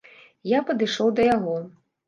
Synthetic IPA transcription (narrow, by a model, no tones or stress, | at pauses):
japɐd̪ɨʂɔwd̪ɐjaɣɔ